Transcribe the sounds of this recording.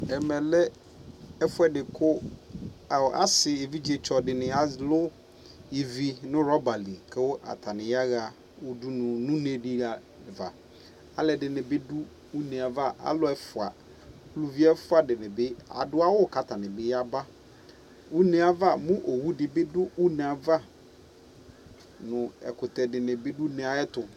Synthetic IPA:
ɛ˨mɛ̃˨lɛ˦ | ɛ˦fʊ˦ɛ˦dɪ˨kʰʊ˦˨ | a̰˦sɪ˨je˨vi˦d͡ʑe˨t͡ʃʰɔ˨dɪ˨nɪ̃˨a˦lʊ˦ | je˨vi˦nʊ̃˦ɾɔ˦ba˨li˨kʰɛ˦wʊ˦ʔa̰˨t̪ʰa˨nɪ̃˨ja˦ɣa˨ | wʊ˦du˦nʊ̃˨nʊ̃˦ne˦dɪ˦a˨ | va˨ | a̰˨lɛ˨dɪ˨nɪ̃˨bɪ˦du˦ | u˦nẽ˨a˨va˦ʔa̰˦lʊ˦ɛ˦fʊ˨a˨˦ | lu˨vi˦ɛ˦fʊ˦a˨dɪ˨nɪ̃˨bɪ˦a̰˨dʊ˦a˦wʊ˦˨ka˨tʰa˨nɪ̃˨bɪ˦ja˦ba˦ | wu˦nẽ˨a˨va˦˨mʊ̃˦ʔo˨wu˦dɪ˨bɪ˦dʊ˦u˦nẽ˨a˨va˦ | nʊ̃˨ɛ̰˨kʊ˨tɛ˨dɪ˨nɪ̃˨bɪ˦du˦nɪ̃˨a˨ɛ˦tʊ˨

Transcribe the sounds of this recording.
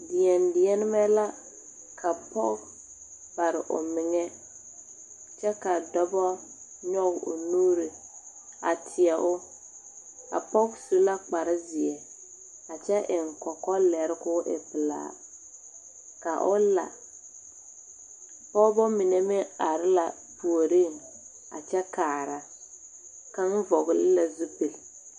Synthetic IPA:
dɪ˨ɛ˨ndɪ˨ɛ˦nɪ˦mɛ˦la˦ | kʰa˨pɔ̰˦k | ba˨ɾɪ˨ʔʊ̰˨mɪ˨ŋɛ˦ | t͡ʃɛ˦ka˨dɔ˦bɔ˦ | ɲɔ˦ɡʊ̰˨nuː˦ɾɪ˨ | a̰˨tʰɪ˨ɛ˨ʔʊ˦ | a̰˨pɔ˦ksu˦la˦k͡pa˨ɾɪ˦zɪ˨ɛ˨ | a˨t͡ʃɛ˦ʔɪ˨ŋ̩˨kɔ˨kɔ˦lɛ˨ɾɪ˦kʊ˦ʔɪ̰˨pɪ˨la̰ː˨˦˨ | ka˨ʔʊ˦la̰˨ | pɔ˦bɔ˦mɪ˨ne˨mɪ˦a˨ɾɪ˦la˨ | pu˨o˨ɾi˦˨ŋ | a̰˨t͡ʃɛ˦kaː˨ɾa˨ | ka˦ŋ˦vɔ˨ɣlɪ˦la˨zu˦pi˨l

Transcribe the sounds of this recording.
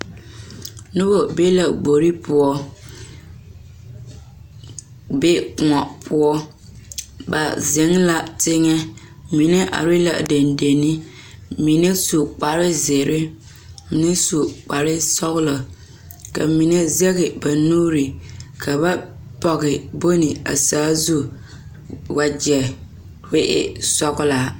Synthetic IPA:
nʊ˦bo˨be˦la˨ɡ͡bo˨ɾi˦pʊ˨ɔ˦ | be˦˨ŋɔ˨pʰʊ˦ɔ˦ | ba̰˨ze˨˦ŋla˦tɪ˦ŋɛ˦ | mi˨nɛ˦ʔa̰˨ɾi˦la̰˨ʔde˨nde˨ni˦ | mi˨nɛ˦su˨k͡pa˨ɾɪ˦ze˨ɾɪ˦ | nɪ˦su˨k͡pa˨ɾɪ˦sɔ˦ɣʊ˦lɔ˨ | ka̰˨mi˨nɛ˦zɛ˦ɣɪ˨ba˨nuː˦ɾɪ˨kʰa˨ba˦ | pɔ˨ɣɪ˨bo˦nɪ˨a̰˨saː˦zu˦ | wa˨d͡ʒɛ˨ | we˦ʔɪ̰˦sɔ˦ɣʊ˦la˨

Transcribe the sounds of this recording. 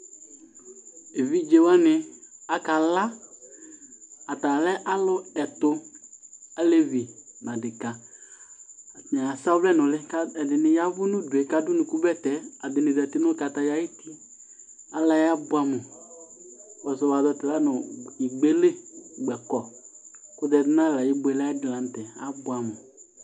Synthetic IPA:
e˨vi˦d͡ʒe˨wa˦nɪ˨a˨ka˨la˦ | a˨ta˨lɛ˦ʔa˦lʊ˦ɛ˨tʊ˨ | a˨le˦vi˨n˨ã˨dɪ˨ka˨ | ɲ˨a˨a˨sa˦vlɛ˦˨nʊ˨lɪ˦kɛ˨dɪ˨nɪ˨ja˦vʊ˦nʊ̃˦dʊ˨e˨ka˨dʊ˦nʊ̃˨ku˦bɛ˦tɛ˨a˨dɪ˨nɪ˨dtɪ˦nʊ˦ka˨ta˨ja˦jɪ˦ti˦ | a˨la˦ja˦bʊ˦a˨mʊ˨ | wɔ˨sɔ˨wa˨dɔ˦tɪ˨la˦nʊ˨i˨ɡ͡be˦le˦ɡ͡bɛ˨kɔ˨kʊ˦dɛ˨dɪ˦n˦a˦˨la˨jɪ˦bʊ˨ɛ˨lɪ˦dɪ˨la˨n̩˨tɛ˨a̰˨˦bʊ˨˦a˨mʊ˨

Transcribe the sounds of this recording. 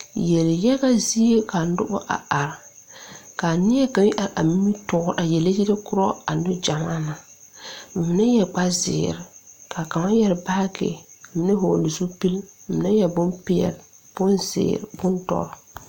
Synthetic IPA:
jɛ˨ljɛ˦ɣa˦zi˦e˦ka˨˦dʊ̰˦bʊ̰˦ʔa̰˨ʔa˨ɾ | ka˨nɪ˦ɛ˦ka˨ŋi˦ʔa˨ʔa̰˨mi˦mi˦tɔ˨˦˨ʔa˨jɛ˨le˦ji˦ɾe˦kʊ˦ɾɔ˦a˨nʊ˦d͡ʒa˨ma˦na˨ | m̩˨mɪ˨nɪ˦jɛ˨ɡ͡ba˦zɪ̰ː˨ɾɪ˨ka˨ka˨ma˦jɛ˨ɾba˦kɪ̰˨mɪ˨nɪ˦ɦo˨lu˨su˦pi˦l̩˨mɪ˨na˦jɛ˨bʊ˦mpɪ˦ɛ̰˨l | b̥ʊ˦nzɪ̰ː˨ɾɪ̰˨bʊ˦ntɔ̰˨ɾɔ˨

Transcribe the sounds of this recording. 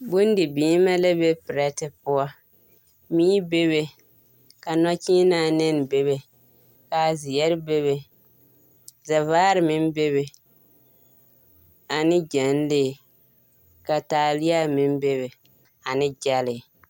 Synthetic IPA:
bʊ˦n˦dɪ˨biː˨˦ma˦la˦be˦pɪ˨ɾɛ˦tɪ˦pʊ˦a˦ | miː˦be˦βe˨ | ka˨na˦t͡ʃiː˦naː˦˨nɪ˦n˨be˦βe˨ | ka˨zɪ˨jɛ˦ɾɪ˦be˦βe˨ | za˨vaː˦ɾɪ˨mɪ˦n˦be˦βe˨ | a˨nɪ˦d͡ʒɛ˨n˦lɪ˦˨ | ka˨taː˨lɪ˦a˦mɪ˦m˦be˦βe˨ | a˨nɪ˦d͡ʒa˦lɪ˨

